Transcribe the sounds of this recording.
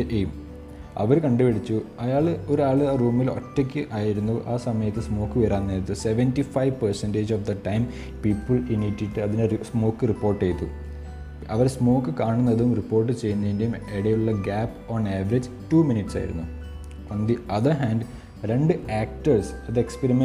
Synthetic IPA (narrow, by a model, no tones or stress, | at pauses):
ejum | ɐ̰ʋɐɾkɐɳɖɨpɐɽit͡ɕːuɐjaːɭo̞ɾaːɭɨruːmːilo̞̰tːek̬ʲːɨʔaːjiɾunːuʔaːsɐmɐjɐt̪ːɨsmo̞ːkːɨʋeɾaːnːeɾɐt̪ːɨseʋentifɐjʋpɐrsendeːd͡ʑofd̪ɐʈːɐjm | piːpːɨɭinitːiʈːɨɐðinesmo̞ːkːɨripːo̞ːrʈːejt̪ːu | ɐʋɐɾsmo̞ːkːɨkaːɳunːɐðumripːo̞ːrʈ̬ːɨt͡ɕejːunːɐinde̞jumeɽejuɭːɐɡaːpː | oːɳeːʋɐɾed͡ʑ | tuːminiʈːsa̰ːjḭɾṵnːu | ond̪iʔɐðɐɦaːnɖ | ɾeɳɖɨaːk̚ʈɐrsɐðekspeɾime